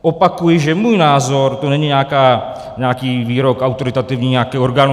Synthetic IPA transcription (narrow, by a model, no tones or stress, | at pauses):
ɔpːakːuiʒemːuinazɔɾt̪oneɲːinaka | nakiviɾɔkawt̪oɾit̪at̪ːevɲiakːeɔɾɡano